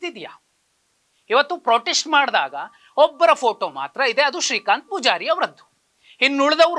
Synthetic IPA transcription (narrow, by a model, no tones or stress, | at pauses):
t̪id̪ijaː | iʋɐt̪ːupɾoːʈesʈmaːɽd̪a̰ːɡɐ | ɔbːɐɾɐpʰoːʈoːma̰ːt̪ɾɐid̪e̞ɐd̪uʃɾiːkaːnt̪̚puːd͡ʒaːɾiɐʋɾɐd̪ːu̥ | inːuɭd̪ɐʋɾ